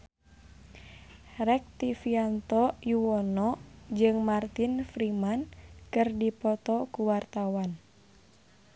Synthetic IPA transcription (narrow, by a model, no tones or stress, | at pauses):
rɛk̚t̪ifiant̪ɔjuwɔnɔd͡ʒɨŋmart̪infɾimankɨrdipɔt̪ɔkuwart̪awan